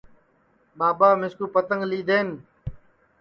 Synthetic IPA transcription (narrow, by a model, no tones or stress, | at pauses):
ɓaːɓaːmɪskuːpət̪əŋɡliːd̪eːn